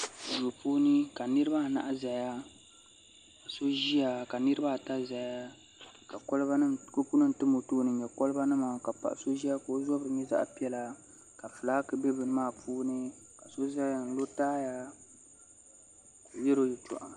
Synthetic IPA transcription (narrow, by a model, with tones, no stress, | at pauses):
zo˨puː˦nɨ˦ka˨nɨ˦ɾɨ˦ba˦˨na̰˦ʔa˦za˨ja˦ | ka˨so˦ʒi˦ja˨ka˨nɨ˦ɾɨ˦ba˦˨ta˦za˨ja˦ | ka˨kɔ˦lba˦ɨ˦ko˦pu˦nɨ˦n̩˨tɨ˦mo˨toː˦˨˦nɨ˨ɲɛ˨kɔ˦lɨ˦ba˦nɨ˦ma˨ka˨pa̰˨ʔso˦ʒi˦a˦ko˨˦zɔ˦bɾɨ˨ɲɛ˦za̰˦ʔpi˦ɛ˦la˨ | ka˨fɨ˨laː˦kɨ˦bɛ˦bɨ˨nɨ˦maː˦˨puː˦nɨ˦ | ka˨so˦za˦ja˨n̩˨lo˦taː˦ja˦ | ko˨jɛ˦ɾo˦jɛ˨t͡ʃɔ̰˨ʔa̰˨